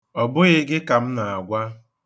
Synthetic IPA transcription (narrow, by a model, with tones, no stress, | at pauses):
ɔ˨bʊ˦ɣe˨ɡɪ˦ka˨m̩˦na˨a˨ɡʷa˦